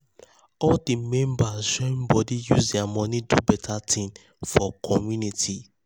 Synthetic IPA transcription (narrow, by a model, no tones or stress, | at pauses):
ɔldimɛ̃mbasʃɔ̃mbɔdijṵzdɛamɔ̃nidubɛtʰatʰĩm | fɔkʰɔmjunitʰi